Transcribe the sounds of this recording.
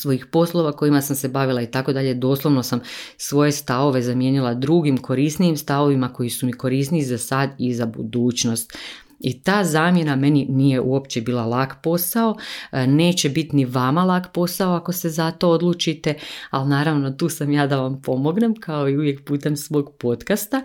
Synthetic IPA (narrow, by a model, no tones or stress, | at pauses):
sʋo̞ixpo̞slˠo̞ʋako̞imasamse̞baʋilˠait̪ako̞d̪aʎe̞d̪o̞ːslˠoʋno̞samsʋo̞je̞st̪aʋo̞ʋe̞zamje̞ːnilˠad̪ɾuɡimkʰo̞ɾisnijimst̪aʋo̞ʋimako̞jisumiko̞ɾisniizasad̪izabṵd̪uːt͡ɕno̞st̪ | it̪aːzaːmje̞name̞ninije̞ʔuo̞pt͡ɕe̞biːlˠalˠakpo̞sao̞ne̞ːt͡ɕe̞bit̪niʋamalˠaːkpo̞sao̞ako̞se̞zat̪o̞od̪lˠuːt͡ʃit̪e̞alnaːɾaʋno̞t̪uːsamjaːd̪aʋampo̞mo̞ɡne̞mkʰao̞iuʋje̞kpuːt̪e̞msʋo̞ːɡpo̞t̪kast̪a